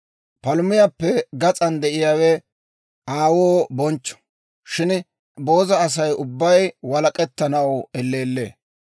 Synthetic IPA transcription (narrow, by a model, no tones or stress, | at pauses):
pɐlʊmɪjapːɛɡɐt͡sʼɐnd̪ɛʔɪjaːwɛ | aːwoːbɔnt͡ʃːɔ̥ | ʃɪn | bo̞ːzɐːs̬ɐjʊbːɐjwɐlɐkʼɛt̪ːɐnɐwɛlːe̞ːlːḛː